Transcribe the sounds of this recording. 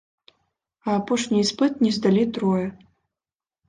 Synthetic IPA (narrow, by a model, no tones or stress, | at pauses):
aːpoʂnʲijspɨt̪̚nʲizd̪alʲit̪ɾojɐ